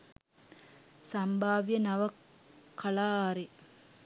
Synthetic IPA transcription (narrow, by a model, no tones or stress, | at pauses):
sɐmbʱaːʋijɐnɐʋɐ | kːɐlaːɾi